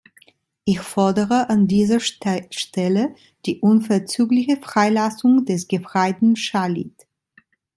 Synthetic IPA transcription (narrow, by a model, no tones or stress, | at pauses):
ʔɪçfɔɐdəʁəʔandiːzɐʃtɛlə | d̥iːʔʊnfɛɐt͡syːklɪçəfʁ̥aɪlasʊŋdɛsɡ̥əfʁ̥aɪtn̩ʃalḭt